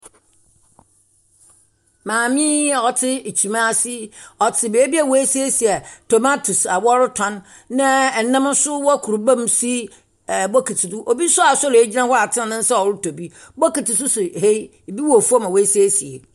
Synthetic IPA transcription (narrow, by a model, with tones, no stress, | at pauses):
mãː˨mĩ˦˨ɔ˨tʰɪ˦˨t͡ɕʰi˨mã˦a˦si˦ɔ˨tʰɪ˨be˨˦bi˦a˨wo˦e˦si˦e˦si˨a˨tʰo˨ma˦tʰu˨sa˨wɔ˦ɾʊ˦tʰɔ̃˨nː | ã˦˨nã˦m˦sʊ˦wɔ˦kʰu˨ɾu˨bã˦msi˦˨ | bɔ˦kʰi˨tʰɪ˨dʊ˦ʔo˨bi˦sʊ˦a˨sɔ˦le˦d͡ʑi˦nã˦hɔ˦a˨tʰɪ̃˦˨nɪ̃˦n̩˦sa˦ɔ˨ɾʊ˦tʰo˨bi˦ | bɔ˦ki˨tɪ˨s̬ʊ˦sʊ˨he˦˨ | bi˦wɔ˨fu˦a˦mã˨we˦se˦e˦si˨e˨